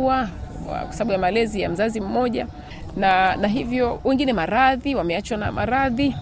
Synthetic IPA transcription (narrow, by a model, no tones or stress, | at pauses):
a̰kwḁsaɓaɓujamalɛzija̰m̩zazim̩mɔʄa | nanaɦivjɔwɛŋɡinɛmaɾaðiwamɛat͡ʃwana̰mʔaɾaði